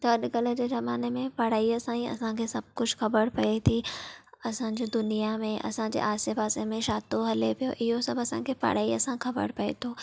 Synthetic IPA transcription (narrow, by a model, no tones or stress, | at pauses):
t̪ɐɐɗɡɐlə̆d͡ʑeːzɐmaːnemẽpɐɽaːiɐsãːĩɐ̰sãkʰesɐb̚kʊd͡ʑʱxɐbəɽpɐet̪ʰiɐsãd͡ʑiːd̪ʊnijamẽʔɐ̰sãːd͡ʑḛːʔaːsepaːsemẽʃaːt̪oɦɐlepijo̰ʔɪɦosɐbɐsãkʰepɐ̰ɽ̤aːiɐsãxɐbə̰ɽpɐḛt̪ʰoː